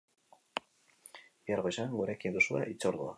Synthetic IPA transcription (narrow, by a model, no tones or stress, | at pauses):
biaɾɣo̞isaŋɡuɾekind̪usua̰ʔit͡so̞ɾðua